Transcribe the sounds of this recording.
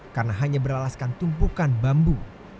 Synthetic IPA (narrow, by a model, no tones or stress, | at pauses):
karnaɦaɲabəɾalaskant̪umpukanbambu